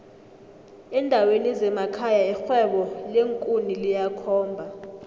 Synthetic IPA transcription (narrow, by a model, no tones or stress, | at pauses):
ɛndʱawenizɛmakʰajaɛxwɛɓɔleŋkʼunilijakʰɔːmbʱa